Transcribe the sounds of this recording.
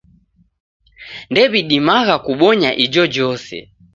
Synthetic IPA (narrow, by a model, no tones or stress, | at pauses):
ndɛβiɗimaɣakuɓɔɲaʔid͡ʒɔd͡ʒɔsɛ̰